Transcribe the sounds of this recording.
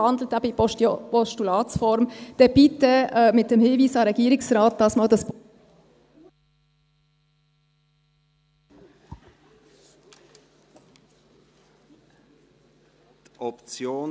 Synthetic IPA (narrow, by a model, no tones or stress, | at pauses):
ɑnd̪l̩ətæbəippɔʃtulɑːtsfɔɾmd̥ɛb̥itəmɪt̚d̥ɛmhɪːviːsɑɾɛɡiːɾɪksɾɑːt̚dɑsmɑːldɑsp | t̪ɔpt͡sjoː